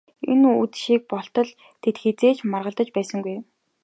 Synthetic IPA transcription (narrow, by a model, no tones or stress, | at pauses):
ḛnuut͡sʃiːk̚pɔɬt̪ɞ̆ɮ | t̪ʰet̪xet͡seːt͡ɕmarʁə̆ɮt̪ə̆t͡ɕpæːsə̆ŋɡuj